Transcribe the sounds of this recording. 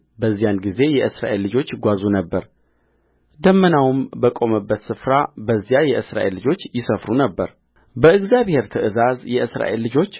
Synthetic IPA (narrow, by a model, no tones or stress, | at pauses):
bəzːijanɡize̞jɛʔɨsɾa̰ʔe̞lːɨd͡ʒo̞t͡ʃːɡʷazunəbːəɾ | d̪əmːənawmbəkʼo̞məbːət̪sɨfɾabəzːjajɛʔɨsɾa̰ʔe̞lːɨd͡ʒo̞t͡ʃːjɪsəfɾunəbːəɾ | bəɨɡzijaβhe̞ɾt̪ʰəʔɨzazjɛʔɨsɾa̰ʔelːɨd͡ʒo̞t͡ʃː